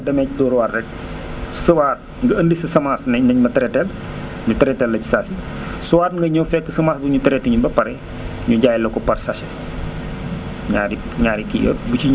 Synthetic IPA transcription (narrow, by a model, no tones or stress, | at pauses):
dɐmɛcdɔːɾwarːɛk̚ | suwaːt̚ | ŋɡɐəndisisɐmaːsnɛnɐɲmɐtɐɾɛtɛl | ɲutɐɾɛtɛlːɐci̥saːsi | suwaːtŋɡɐɲɔfɛkːəsɐmaːsbuɲutɐɾɛtiɲubɐpɐɾɛ | ɲuɟaːjlɐkɔpɐrsɐʃɛ | ɲaːɾi | ɲaːɾikḭɡɐ̰but͡ʃiɲ